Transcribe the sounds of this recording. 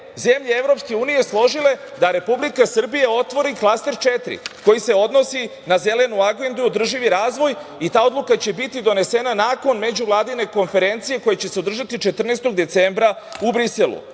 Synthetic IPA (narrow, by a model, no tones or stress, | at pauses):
ze̞mʎeevɾo̞pske̞uːnije̞slˠo̞ʒile̞d̪aɾe̞publikasr̩bijeo̞t̪ʋo̞ɾiklˠast̪e̞ɾt͡ʃet̪ɾḭko̞jise̞o̞d̪no̞sinaze̞le̞nuaɡe̞nd̪uod̪r̩ʒiʋiɾaːzʋo̞jit̪aːo̞d̪lukat͡ɕe̞bit̪id̪o̞ne̞senanaːko̞nme̞d͡ʑuvlˠaːd̪ine̞ko̞nfe̞ɾe̞nt̪sije̞ko̞jet͡ɕe̞se̞od̪r̩ʒat̪it͡ʃe̞t̪r̩nest̪o̞ɡd̪e̞t̪sembɾa | ubɾiselˠṵ